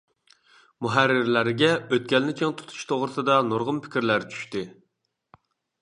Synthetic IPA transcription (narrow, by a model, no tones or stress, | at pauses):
muɦæɾːɪɾlæɾɡʲɛøt̪̚kʲɛlnɪt͡ʃʰeŋt̪ʰu̥t̪ʰu̥ʃt̪ʰoʁɾɨt̪ʰɨd̪ɑnoɾʁʊmpʰɪ̥kʲiɾlæɾt͡ʃʰy̥ʃt̪ɪ